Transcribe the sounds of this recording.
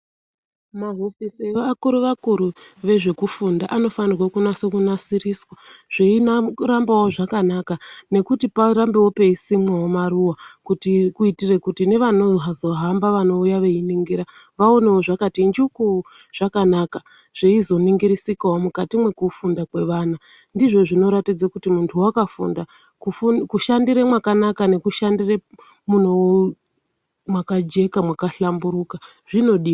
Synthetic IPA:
maɦofisiakuɾuʋakuɾuʋe̞ʐe̞kufundaʔano̞fanirwakunasekunasiriswaʐ̥einaɾambawoʐakanakane̞kutipaɾambewope̞isimwewomaruwakutikuitire̞kutine̞ʋano̞ɦazo̞ɦambaʋano̞ujaʋe̞iniŋɡiɾaʋaoneoʐakatind͡ʒukuʐ̥akanaka | ʐ̥eizo̞niŋɡiɾisikawomukatimwe̞kufundakwe̞ʋaːna | ndiʐo̞ʐino̞ɾatid͡zakutimuntʰuwakafṵnda | kufukuʃandiɾemwakanakane̞kuʃandire | mun̤o | mwakad͡ʒe̞kamwakaɬambuɾuka | ʐ̥ino̞ɗiː

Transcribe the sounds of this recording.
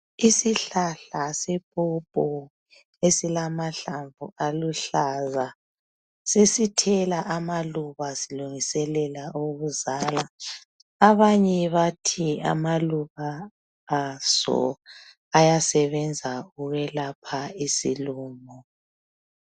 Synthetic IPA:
isiɬaɬasepʼupʼɔ | esilamaɬaɱvʱuʔaluɬaza | sesitʰɛlaʔamaluβasiluŋisɛlɛlaʔuɣβuzaːla | aβaɲɛβatʰia̰maluɣaː | sɔ̰ | ajasɛβɛnd͡zʱauɣɛlapʰaisiluːmɔ

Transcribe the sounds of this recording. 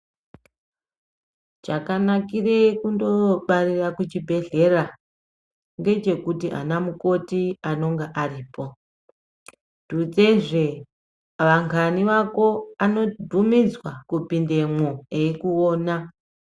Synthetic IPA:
t͡ʃakanakire̞kundo̞ɓarirakut͡ʃibʱe̞ɮe̞ra | ŋɡe̞t͡ʃe̞kutiʔa̰namuko̞tiano̞ŋɡeʔariːpo̞ | tud͡ze̞ʐe | ʋaŋkʰaniʋako̞ano̞dʱumid͡zwakupinde̞moeikuoːna

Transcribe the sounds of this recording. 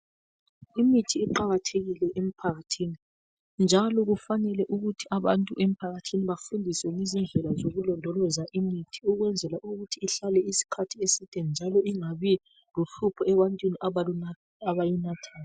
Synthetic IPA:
imitʰiːǃaɣatʰeɣilɛʔem̩pʰaɣatʰiːni | nd͡ʒʱalɔɣufanɛlɛʔuɣutʰiaβantʼuʔem̩pʰaɣatʰiniβafundʱiswɛŋizind͡ɮʱɛlazoɣulɔndʱɔlɔzaʔimitʰi̥uɣwɛnd͡zʱɛlaʔuɣutʰiːɬalɛisi̥kʰatʰiesid̥ʱɛnd͡ʒʱalɔiŋaβi | luɬupʰɔɛβantʼwinia | aβajinatʰaːla

